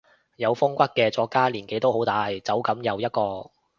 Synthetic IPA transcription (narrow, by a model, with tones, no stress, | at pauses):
jɐ˨˧wfʊ˥ŋkʷɐ˥t̚kɛː˧t͡sɔː˧kːaː˥liː˨˩nke˨˥jt̪o˥wɦo˨˥wt̪aː˨˧jt͡sɐ˨˥wkɐ˨˥mjɐ˨˧wjɐ˥t̚kɔː˧